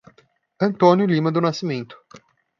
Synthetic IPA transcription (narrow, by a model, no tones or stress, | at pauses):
ɐ̃nt̪õnjʊlĩmɐd̪ʊnasimẽnt̪ʊ̥